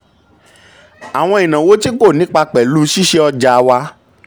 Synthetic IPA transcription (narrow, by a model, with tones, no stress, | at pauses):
a˨w̃ɔ̃˧ĩ˨nã˨wo˨˦ti˦ko˦˨nĩ˨˦k͡pa˧k͡pɛ˨lu˦ʃi˦ʃe˧ɔ˧d͡ʒa˨˧wa˧˦